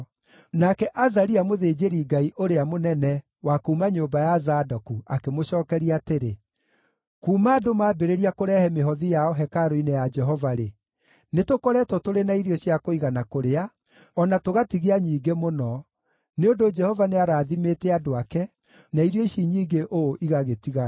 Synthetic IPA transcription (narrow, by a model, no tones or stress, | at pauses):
nakɛʔazaɾiamoðed͡ʒeɾiɡaiʔoɾeamonɛnɛ | wakuːmaɲobajazadɔkuakemoʃɔːkɛɾiateɾe | kuːmaːdomaːbeɾeɾiakoɾɛhɛmeɦɔðijaɔɦɛkaɾoinejad͡ʒɛɦɔvaɾe | netokɔɾɛtɔtoɾenaiɾijɔɕijakoiɣanakoɾea | ɔnatoɣatiɣeaɲiːɡemonɔ | neondod͡ʒɛhɔvaneaɾaːðimetɛadoakɛ | naiɾjɔiʃiɲiːɡeʔoʔiɣaɣetiɣa